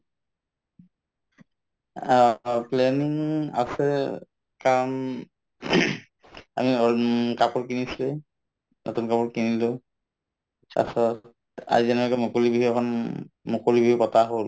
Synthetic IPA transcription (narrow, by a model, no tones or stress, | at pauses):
aplɛniŋa̰sɛ | kam | a̰miɔkapɔɹkinislɛ | nʔotunkapɔɹkinilʊ | a̰sɔt | a̰zizɛnɛkɛmokolibibiɛkʰɔnmokolibibipɔtaɦol